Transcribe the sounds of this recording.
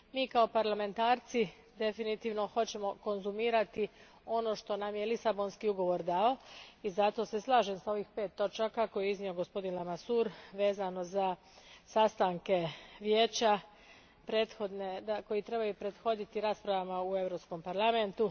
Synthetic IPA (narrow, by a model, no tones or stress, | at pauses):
miːkao̞paɾlame̞nt̪aːɾt̪si | d̪e̞finit̪iːʋno̞xo̞t͡ɕe̞mo̞ko̞nzumiːɾat̪i | o̞no̞ʃt̪o̞namje̞lisabo̞nskiuɡo̞ʋo̞ɾd̪ao̞izat̪o̞se̞slˠaːʒe̞msao̞ʋiːxpe̞ːt̪ːo̞t͡ʃakakojeiznio̞ɡo̞spo̞d̪inlamasuːɾʋe̞ːzano̞za | sast̪aŋke̞ʋjeːt͡ɕa | pɾeːd̪xo̞d̪ned̪ako̞jit̪ɾe̞bajupɾe̞d̪xo̞d̪it̪iɾaːspɾaʋamaue̞ʋɾo̞psko̞mpaɾlame̞nt̪u